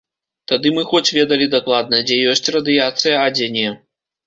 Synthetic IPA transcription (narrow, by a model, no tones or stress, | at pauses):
t̪ad̪ɨmɨxɔt͡sʲvʲɛd̪ɐlʲid̪aklˠad̪̚nɐd͡zʲɛjɔsʲt͡sʲrɐd̪ɨjat̪sɨjɐad͡zʲɛnʲɛ